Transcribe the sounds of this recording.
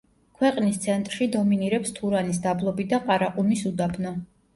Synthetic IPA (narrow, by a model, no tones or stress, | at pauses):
kʰwɛqʼnist̪sʰɛnt̪ʼɾʃid̪ɔminiɾɛpst̪ʰuɾanis̬d̪ablˠɔbid̪aqʼaɾaqʼumisud̪abnɔ